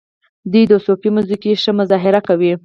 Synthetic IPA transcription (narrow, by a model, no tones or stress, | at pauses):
d̪ujd̪əsofimuzikiʃəmʊzɑɦɪɾakawi